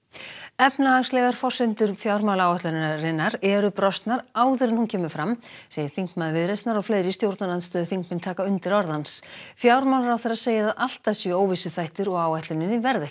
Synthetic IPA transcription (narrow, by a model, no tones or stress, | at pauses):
ɛpnaaŋslɛɣaɾ̥fɔr̥sɪnt̪ʏɾfjawɾmawlaːwaht̪lʏnɾɪnːaɾɛɾʏpɾɔst̪naɾaːwðɪɾɪnhuncʰɛːmʏfɾamseːjɪɾ̥θiŋkmaðvɪðɾest̪naɾɔɣfleːjɾɪst̪jowɾt̪naɾlanst̪œːðʏθiŋkmɪnt̪ʰaːkaʏnt̪ɪɾɔɾðansfjawɾmawlɾawθɛɾaseːjɪaðʔal̥t̪asɛoːwvisʏθajht̪ʏɾɔɣaːwajht̪lʏnɪnːɪvɛɾðɛ̥